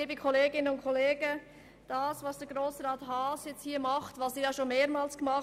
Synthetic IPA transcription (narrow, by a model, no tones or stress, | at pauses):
iːbəkʰɔleːɡɪnənʊntkʰɔleːɡə | d̥ɑːsvɑsd̥ɛɡɾoːsɾɑːthɑːsjɛt͡sthiːɐmɑχtʋɑsdiːjɑːʃonmeːɾmɑːlsɡ̥əmɑχ